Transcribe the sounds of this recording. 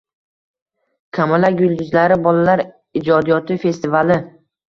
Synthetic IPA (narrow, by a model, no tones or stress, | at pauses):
kʲʰamalaɡʊld̪ʊzlaɾɪbɒlalaɾ | ɪd͡ʒɒd̪ijɒt̪ʰɪfe̞st̪ɪvalɪ